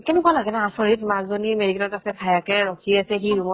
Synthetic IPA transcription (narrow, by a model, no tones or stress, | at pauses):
kɛnʊkalaɡɛnɛasɔɹitmazzonimeɹikɛnɔtasɛpʰajakɛɹɔkʰiasɛxiɹumɔ